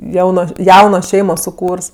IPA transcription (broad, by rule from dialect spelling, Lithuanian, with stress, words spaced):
ˈjɛʊnoːs ˈjɛʊnoː ˈʃʲɛɪmoː sʊˈkuːrs